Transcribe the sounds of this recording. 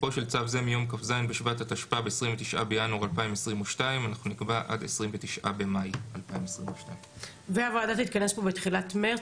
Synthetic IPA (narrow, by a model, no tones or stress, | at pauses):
po̞ʃelt͡savzemijo̞mkafzajnbeʃvatataʃpaabeesʁimvetiʃʔa̰be̞januʁalpaimesʁimuʃtaimanaχnunikbaʔa̰desʁimvetiʃʔa̰be̞majalpaimesʁimuʃtaim | veavaːdatit̪̚kanesbobetχilatme